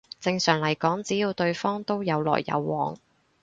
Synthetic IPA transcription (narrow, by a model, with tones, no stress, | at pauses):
t͡sɪ˧ŋsœː˨˩ŋlɐ˨˩jkɔː˨˥ŋt͡siː˨˥jiː˨˧wt̪ɵ˧ɥfɔː˥ŋt̪o˥wjɐ˨˧wlɔ̰ː˨˩jːɐ̰˨˧wːɔ̰ː˨˥ŋ